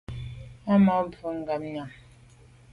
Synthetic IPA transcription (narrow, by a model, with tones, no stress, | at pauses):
a˦ma˨˦m˨vu˨˦ŋ˦ɡa˨mɲa˨m